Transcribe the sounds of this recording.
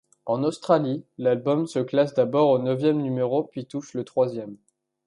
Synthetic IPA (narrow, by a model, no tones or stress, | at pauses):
ɑ̃nost̪χalilalbɔmsəklasd̪abɔʁonəvjɛmnymeʁopɥit̪uʃlət̪χwazjɛm